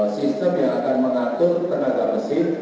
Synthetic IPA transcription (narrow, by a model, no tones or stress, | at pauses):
sist̪əmjaŋakanməŋat̪ʊrt̪ənaɡaməsɪr